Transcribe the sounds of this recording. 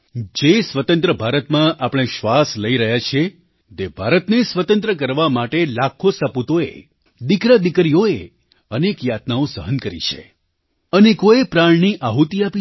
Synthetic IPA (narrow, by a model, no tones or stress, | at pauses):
d͡ʒesʋət̪ə̃nt̪ɾəbʱaɾət̪mãʔapɽ̃eʃʋasləiɾəɦjat͡ʃʰe | t̪ebʱaɾət̪nesʋət̪ənt̪ɾək̬əɾʋamaʈelakʰːosəput̪oḛ | d̪ikɾad̪ɪkɾijoe | ənekjat̪naõsəɦənkəɾḭt͡ʃʰḛ | ənekoepɾaɳniʔaɦut̪iapi